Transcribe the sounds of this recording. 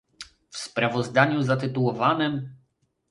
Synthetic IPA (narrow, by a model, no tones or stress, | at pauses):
fspɾavɔzd̪aɲuzat̪ɘt̪uwɔvanɛm